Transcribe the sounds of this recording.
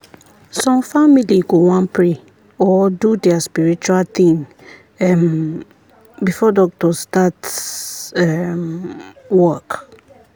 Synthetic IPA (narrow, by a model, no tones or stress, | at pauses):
sɔ̃mfamiliɡowãnpʰɹe | ɔdudɛaspiɹit͡ʃualt̪ĩŋ | ɛm | bifɔdɔk̚tɔstat | ɛm | wɔk